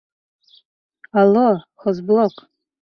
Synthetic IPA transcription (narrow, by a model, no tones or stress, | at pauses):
aloχəzblokʼ